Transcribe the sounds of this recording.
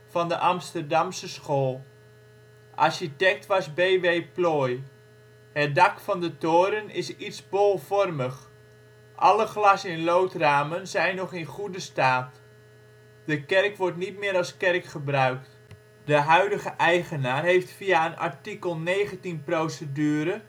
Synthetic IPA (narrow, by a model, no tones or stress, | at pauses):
fɑndəʔɑmstərdɑmsəsχoːlˠ | ʔaɹʃitɛk̚tʋɑsbejʋejploːj | hət̚dɑkfɑndətoːɾənɪsitsbolˠvɔrməχ | ʔɑ̰ləχlɑsɪnlowtraːmənzɛjnːɔχɪnχudəstaːt | dəkɛrkʋɔrtnitmɪːɾɑlˠskɛrkχəbrœɥkt | dəɦœɥdəɣəʔɛjχənaːrɦejftfiaənʔa̰rtikəlˠneːχəntinprowsədyːəɾə